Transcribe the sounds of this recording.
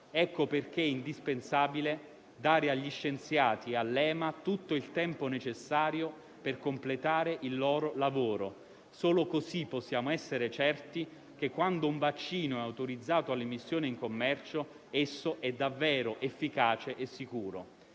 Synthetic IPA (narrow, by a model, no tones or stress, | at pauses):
ɛkːoperk̟eind̪ispensaːbile | d̪aːɾeaʎːiʃːent̪sjaːt̪iealːɛːmat̪ut̪ːoilt̪ɛmponet͡ʃesːaːɾjo | perkomplet̪aːɾeʔilːɔːɾolavoːɾo | soːlokosipːɔsːjaːmoɛsːeɾet͡ʃɛrt̪i | k̟ekːwand̪ouɱvat͡ʃːiːnoɛawt̪oɾid̪zːaːt̪oalːemisːjoːniiŋkomːɛrt͡ʃo | esːoʔɛd̪ːavːɛːɾoʔefːikaːt͡ʃeʔesːikuːɾo̰